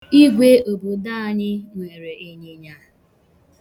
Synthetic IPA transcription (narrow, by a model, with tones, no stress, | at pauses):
i˦ɡʷe˦o˨bo˨da˦a˨ɲɪ˦ŋʷe˨ɾe˨e˦ɲe˦ɲa˦